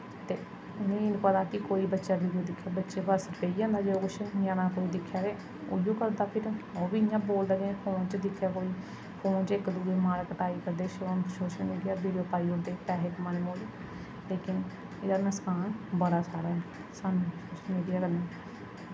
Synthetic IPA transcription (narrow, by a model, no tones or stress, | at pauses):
t̪eː | ʊnẽːeːnũːpət̪aːkɪkoːiːbətːʃaːbiːɖijoːd̪ɪkʰːjaːbətːʃeːpəɾsəɾpeːiːãːnd̪aːd͡ʒeoːkʊt͡ʃʰɪjãːnãːkoːiːd̪ɪkʰːjaːɾeː | o̰ːɪjõːkəɾd̪aːpʰɪɾoːbiːɪjãːboːld̪aːɡepʰoːnt͡ʃd̪ɪkʰːjaːkoːiː | pʰoːnt͡ʃɪkd̪uːdemaːɾkəʈaːiːkəɾd̪eːʃosoːʃəlmiːɖɪjaːbiːɖijoːpaːiːʊɾd̪eːpɛːɦeːkmaːneːmoːle | leːkɪn | ɪdaːnəskaːnbəɾaːsaːɾaːɦɛː | sanũsoːʃəlmiːɖijaːkəɾd̪eː